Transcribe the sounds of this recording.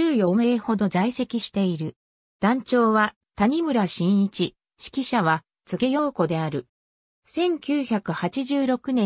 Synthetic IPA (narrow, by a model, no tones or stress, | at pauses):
ɨːjo̞me̞ho̞d̪o̞zaise̞kʲiɕi̥t̪e̞iɾɯ̟ | d̪̥ãɲt͡ɕo̞ːβa | t̪aɲ̟imɯ̟ɾaɕĩɰ̃it͡ɕi | ɕi̥kʲiɕaβa | t͡sɨɡe̞jo̞ːko̞d̪e̞aɾɯ̟ | sẽ̞ŋkʲɨːçakɯ̟hat͡ɕiʑɨːɾo̞kɯ̟nẽ̞